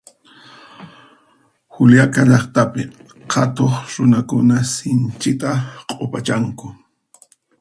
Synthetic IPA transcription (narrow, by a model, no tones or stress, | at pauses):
xʊljakaʎɑχt̪apɪ | hʰat̪oχɾʊnakʊnasɪnt͡ʃɪt̪aqʼopat͡ʃaŋkʊ